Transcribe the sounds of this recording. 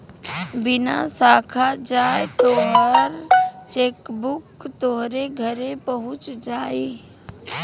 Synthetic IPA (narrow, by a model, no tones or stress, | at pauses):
bɪna̰saːkʰad͡ʒaːet̪oɦəɾt͡ʃeːkbʊkt̪oɦɾeɡʱəɾepəɦʊ̃t͡ʃd͡ʒaːe